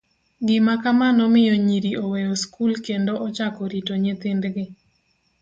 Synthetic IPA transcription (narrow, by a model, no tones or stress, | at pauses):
ɡɪmakamanɔmɪjɔɲiɾiowejoskulkendoʔɔt͡ʃakɔɾitoɲet̪ɪndɡɪ